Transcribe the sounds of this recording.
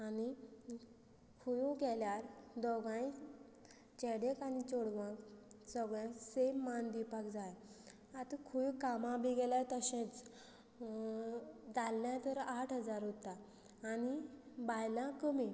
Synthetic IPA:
ani | kʰujũɡɛljaɾd̪ɔɡãj | t͡ɕɛɽekanit͡soɽʋãksəɡɭãsemːand̪ipakd͡zaj | at̪əkʰujũkamãbiɡɛlajt̪əɕẽt͡s | d͡zalːjãt̪əɾaʈʰɦəd͡zaɾɦot̪aː | nibajlãkəmi

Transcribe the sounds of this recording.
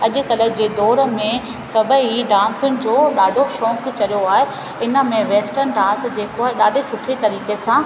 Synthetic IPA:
ɐʄʊ̆kɐlək̚d͡ʑeːd̪ɔːɾəmẽ | sɐbʱəiɖãːnsʊnɪ̆d͡ʑoːɗaːɖʱoʃɔ̃ːkt͡ɕɐlijoaːɦe | ɪnə̆mẽʋeːsʈəɾnɖãːnsd͡ʑeːkoeɗaːɖʱesʊʈʰet̪ɐɾiːkesãː

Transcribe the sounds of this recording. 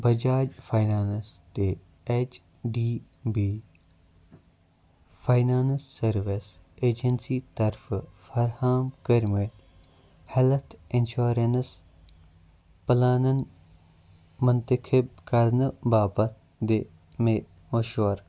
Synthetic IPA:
bɐd͡ʒaːd͡ʒfaːjnaːnst̪e | et͡ʃ | ɖiː | biː | faːjnaːnsːɐɾʋes | eːd͡ʒensit̪ɐɾffɐɾhaːmkəɾmet̪ | helt̪ʰenʃuːɾens | pəlaːnən | mʊnt̪əkʰɪbkɐɾnɨbaːbɐt̪ | d̪e | me | moʃɐɾ

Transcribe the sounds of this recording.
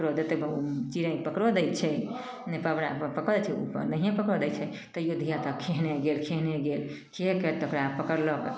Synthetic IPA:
ɾod̪et̪ebut͡ʃiɾãĩpəkɾɔd̪ɛj̪t͡ʃʰɛ | nepəbɾapəkɔd̪ɛt͡ʃʰɛṵpə̰ɾnəɦiẽpəkɾɔd̪ɛt͡ʃʰɛ | t̪ɔjod̪ʱijat̪ɔkʰeɦneɡelkʰeɦneɡel | kekɛt̪ɔokɾapəkəɾlɔk

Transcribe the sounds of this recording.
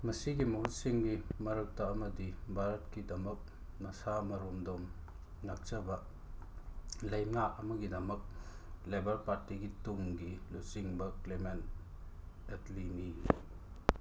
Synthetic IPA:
mɐsiɡimɐɦut̚siŋɡimɐɾɐk̚tɐɐmɐdibʱaɾɐtkidɐmɐk̚ | nɐsamɐɾomdom | nak̚t͡ʃɐbɐ | lɐjmnaɐmɐɡidɐmɐk̚ | lebɐɾpaɾtiɡituŋɡilusiŋbɐklement | etlini

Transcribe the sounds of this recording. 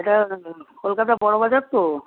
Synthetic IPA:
eʈakolkat̪abɔɽobad͡ʑaɾt̪o

